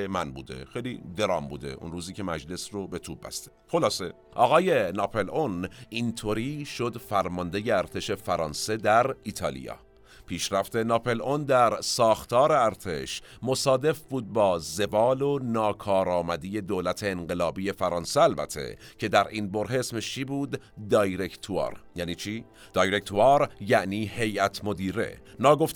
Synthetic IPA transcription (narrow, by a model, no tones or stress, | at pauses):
mænbṵːd̪e̞̰xejlid̪e̞ɾɒ̰ːmbuːd̪e̞̰ʔṵnɾuːziːcʰe̞mæd͡ʒle̞srobe̞t̪ʰuːb̚bæ̰st̪exo̞lɒːse̞ | ʔɒːɣɒːje̞nɒːpʰe̞lʔonʔint̪ʰoɾiːʃo̞d̪fæɾmɒnd̪ejeæɾt̪ʰe̞ʃe̞fæɾɒːnse̞d̪æɾit̪ʰɒːlḭjɒ̰ː | pʰiːʃɾæft̪e̞nɒːpʰe̞lʔond̪æɾsɒːxt̪ʰɒːɾe̞æɾt̪ʰe̞ʃ | mo̞sɒːd̪e̞fbuːd̪̚bɒːze̞bɒːlonɒːkʰɒːɾɒːmæd̪ije̞d̪oːlæt̪ʰe̞ːnɢe̞lɒːbiːje̞fæɾɒːnseælbæ̰t̪ʰːe̞̰cʰe̞d̪æɾʔiːnbo̞ɾɦesmeʃt͡ʃʰiːbuːd̪ː | ɒːjɾekʰt̪ʰuɒ̰ːɾjæːniːt͡ʃʰiː | d̪̥ɒːjɾekt̪ʰuɑːɾjæʔniːhe̞jʔæt̪ʰmod̪iːɾe̞̰ | nɒːɡo̞ft̪